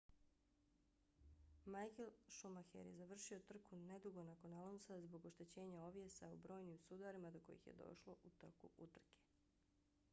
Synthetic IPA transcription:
majkelʃumaxḛɾje̞̰zaʋr̩ʃio̞t̪r̩kune̞d̪uɡo̞nako̞nalˠonsazbo̞ɡo̞ʃt̪e̞t͡ɕe̞ːɲao̞ʋje̞saṵbɾo̞ːjnimusud̪aɾimad̪o̞ko̞̰jḭxje̞̰d̪o̞̰ʃlˠo̞ʔut̪rkṵʔut̪r̩ke̥

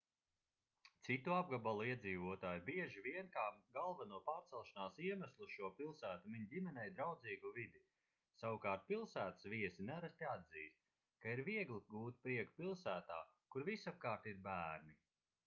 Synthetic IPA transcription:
t̪sit̪uab̚ɡabalˠuiɛd̪ziːvuɔt̪aːjbiɛʒiviɛnkaːɡalˠvanuɔpaːɾt̪sɛlˠʃanaːsiɛmæslˠuʃuɔpilˠsæːt̪umiɲd̪ʲimɛnɛjd̪ɾawd̪ziːɡuvid̪i | sawukaːɾt̪̚pilˠsæːt̪ə̥sviɛsinaɾast̪iad̪ziːst̪̚ | kaiɾviɛɡlˠiɡuːt̪̚pɾiɛku̥pilˠsæːt̪a̰ːkuɾvisap̚kaːɾt̪iɾbæːɾni

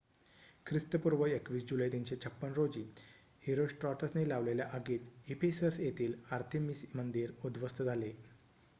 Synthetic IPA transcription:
kʰɾist̪əpuɾʋəekʋiːsd͡ʑuləjt̪iɲt͡ɕet͡ɕʰəpːənɾod͡ʑiː | heɾosʈɾɔʈəsnelaʋleljaʔəɡiːt̪ipʰesəsjet̪iːlaɾt̪ʰemismənd̪iːɾud̪ʋəst̪ʰəd͡zʱale

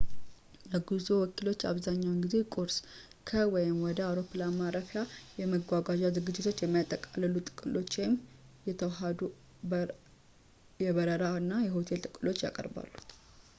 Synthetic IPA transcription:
jɛɡuzowɔkilo̞t͡ʃːa̰βzaɲːawnɡize̞kʼoɾs | kʰəwɔjɪmwɔd̪əawɾo̞pʰlamaɾəfjajɛməɡʷaɡaʒazɨɡɨd͡ʒːɪt̪ʰo̞t͡ʃːjɛmːijat̪ʼːəkʼalːəlut̪ʼɨ̥kʼɨlʔo̞t͡ʃːwɔjɪmjɛt̪ʰəwɦad̪u | jɛβəɾəɾaɨnːajɛɦo̞t̪ʰe̞lt̪ʼɨkʼɨlo̞t͡ʃːja̰kʼə̰ɾba̰lːu

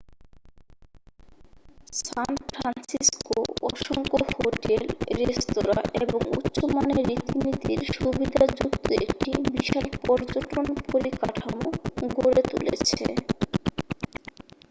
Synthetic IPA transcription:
sanfɾansiskoɔʃoŋkohoʈelɾest̪oɾaʔeboŋṵt̪ːɕomaneɾit̪init̪iɾʃubid̪ʱad͡ʑukt̪oekʈibiʃalpɔɾd͡ʑoʈonpoɾikaʈʰamoɡoɾet̪ulet͡ɕʰḛ

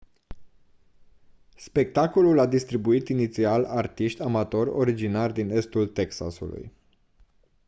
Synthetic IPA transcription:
spe̞k̚t̪ako̞lulad̪ist̪ɾibuit̪init̪sialart̪iʃt̪ʲamat̪o̞ro̞ɾid͡ʒinard̪ine̞st̪ult̪e̞ksa̰sṵlṵj

